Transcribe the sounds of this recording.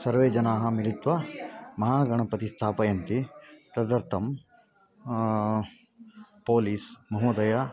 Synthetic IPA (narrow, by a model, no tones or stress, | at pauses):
sɐɾʋeːd͡ʒɐnaːɦɐmiɾit̪ʋɐmɐɦaːɡɐɳ̃ɐpɐt̪ist̪ʰaːpɐjɐnt̪it̪ɐd̪ɐɾt̪ʰɐm | poːliːsmɐɦuːd̪ɐjɐ